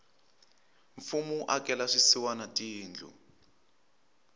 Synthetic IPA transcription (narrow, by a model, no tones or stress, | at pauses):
ɱfumuʔakɛlaʂisiwanatʼiːnd͡ɮʱṵ